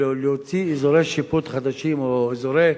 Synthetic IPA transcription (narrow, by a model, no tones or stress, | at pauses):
lhot͡siːzoɾeʃiput̪χad̪aʃimoizoɾe